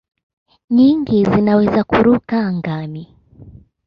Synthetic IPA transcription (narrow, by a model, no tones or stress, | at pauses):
ɲiŋɡizinawɛzakuɾukaːŋɡami